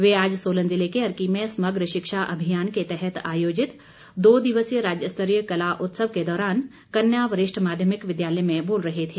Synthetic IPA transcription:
ʋeaːd͡ʒsoːlə̃nzɪlekeɐɾkimẽsmɐɡɾəʃɪkʃaʔɐ̰bʱijaːnket̪ɛɦɛt̪aːjoːd͡ʒɪt̪ | d̪oːd̪ɪʋəsjəɾaːd͡ʒjəst̪ʰəɾijəkɐlaʔʊt̪səʋked̪ɔːɾaːn | kɐnjaːʋəɾɪʃʈʰmaːd̪ʱjəmɪkʋɪd̪jaːlɛjmẽboːlɾɐɦet̪ʰeː

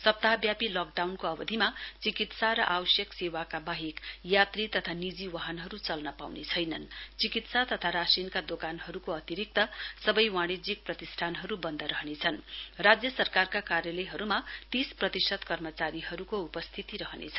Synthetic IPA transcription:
sʌp̚t̪abjapilʌk̚ɖawnkoʌbʌd̪ʱimat͡sikit̪saɾʌʔawʌsjʌksewakabaɦikjat̪rit̪ʌt̪ʰanid͡ziwaɦʌnɦʌɾut͡sʌlnʌpawnet͡sʰʌjnʌ̰nt͡sikit̪sat̪ʌt̪ʰaɾasinkad̪okanɦʌɾukoʌt̪iɾik̚t̪ʌsʌbʌjwaɽ̃id͡zik̚prʌt̪isʈʰanɦʌɾubʌnd̪ʱʌɾʌɦnet͡sʰʌnrad͡zjʌsʌrkarkakarjʌlʌjɦʌɾumat̪isprʌt̪isʌd̪kʌrmʌt͡saɾiɦʌɾukoupʌst̪ʰit̪iɾʌɦnḛt͡sʰʌ

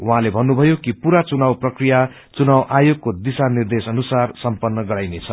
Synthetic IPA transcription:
uɦãlebʱʌnːubʱʌjokipuɾat͡sunawprʌkrija | t͡sunawʔajoɡ̚kod̪isanird̪esʌnusarsʌmpʌnːʌɡʌɾajnet͡sʰʌ

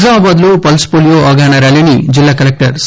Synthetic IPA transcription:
aːbaːd̪loːpɐlspoːlijoːɐɡaːnɐɾalinḭd͡ʒilːaːkɐlek̚ʈɐɾs

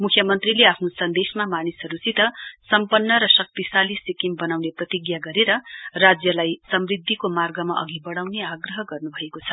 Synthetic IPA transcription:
mukʰjʌmʌnt̪rileapʰnosʌnd̪esmamanisʌɾut͡sit̪ʌsʌmpʌnːʌɾʌsʌk̚t̪isalisikimbʌnawneprʌt̪iɡjaɡʌɾeɾʌrad͡zjʌlajsʌmrid̪ʱːikomarɡʌmaʔʌ̰ɡibʌɽawneaɡrʌɦʌɡʌrnubʱʌekot͡sʰʌ̥

